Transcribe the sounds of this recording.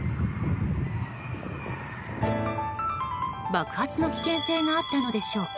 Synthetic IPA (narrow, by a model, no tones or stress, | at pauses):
bakɯ̟̥hat͡sɨno̞kʲi̥kẽɰ̃se̞ːŋaːt̪ːano̞d̪e̞ɕo̞ː